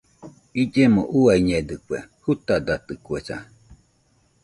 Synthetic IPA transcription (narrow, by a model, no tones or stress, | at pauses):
id͡ʒemõ̰ʔuaiɲed̪ɨkwehut̪ad̪at̪ɯkuesa̰